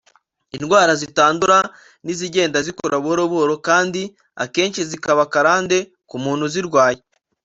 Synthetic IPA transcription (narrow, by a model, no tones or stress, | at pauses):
inɡwaːɾazitaːnduɾa | niziɟe̞ːndazikoɾaβuoɾoβoɾokaːndi | a̰keːnʃizikaβakaɾaːnde̞ | kumuːnhuziɾɡwaːje